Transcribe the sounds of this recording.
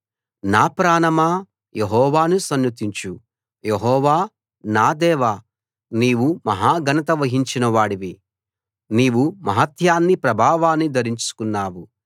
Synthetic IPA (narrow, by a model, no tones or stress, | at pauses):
naːpɾaːnɐmaː | jeɦɔːʋaːnusɐnjut̪iɲt͡ʃu | jeɦɔːʋaː | naːd̪ɛːʋaː | niːwumɐɦaːɡʱɐnɐt̪ɐʋɐɦiɲt͡ʃinɐʋaːɽiʋi | niːʋumɐɦɐt̪ʰjaːnːipɾɐbʱaːʋaːnːid̪ɐɾiɲt͡ʃu̥kunːaːwu